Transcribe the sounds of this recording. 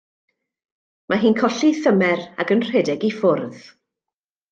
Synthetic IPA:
mʔaɦiːnkʰɔɬiθəmɛɾa̰ɡənr̥ɛdɛɡifʊrð̥

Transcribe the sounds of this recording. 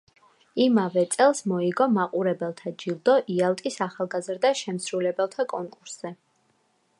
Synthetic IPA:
imavɛt̪sʼɛlˠsmɔiɡɔmaqʼuɾɛbɛlˠt̪ʰad͡ʒilˠd̪ɔʔialˠt̪ʼisaχalˠɡazɾd̪aʃɛmsɾulɛbɛlˠt̪ʰakʼɔŋkʼuɾsz̥ɛ

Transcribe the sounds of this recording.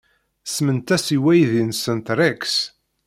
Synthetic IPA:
smənt̪æsiwæjðinsənt̪ɾæks

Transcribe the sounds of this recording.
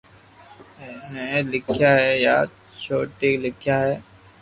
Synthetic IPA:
neːlɪkʰjaːɦɛːja̰ː | t͡ʃʰoːʈeːlɪkʰjaːɦɛː

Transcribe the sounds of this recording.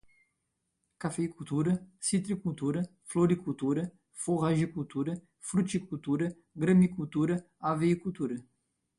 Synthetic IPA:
kafejkult̪uɾɐsit̪ɾikult̪uɾɐ | floɾikult̪uɾɐ | foʁaʒikult̪uɾɐ | fɾut͡ʃikult̪uɾɐ | ɡɾɐmikult̪uɾɐ | aveikut̪uɾɐ

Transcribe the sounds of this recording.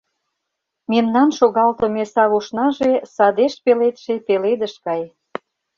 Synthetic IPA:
memnɑnʃoɣɑlt̪ŏmesɑβuʃnɑʒesɑd̪eʃpelet̪ʃepeled̪ə̆ʃkɑj

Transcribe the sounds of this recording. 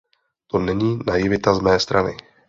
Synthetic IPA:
t̪o̞nɛɲiːnajɪvɪt̪azmɛːst̪ɾanɪ̰

